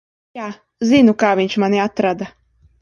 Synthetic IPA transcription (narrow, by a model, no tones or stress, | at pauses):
jaː | zʲinukaːvʲiɲʲt͡ʃmanʲiat̪ɾad̪a